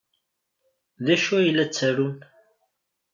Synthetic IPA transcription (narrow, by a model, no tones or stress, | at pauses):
ðæʃuæjlːæt͡sːəɾun